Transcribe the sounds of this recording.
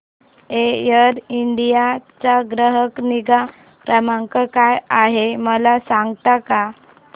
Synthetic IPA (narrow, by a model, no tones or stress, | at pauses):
ejəɾiɳɖijat͡saɡɾəɦəkniɡa | pɾəmaŋkəkajaɦeməlasãŋɡt̪aka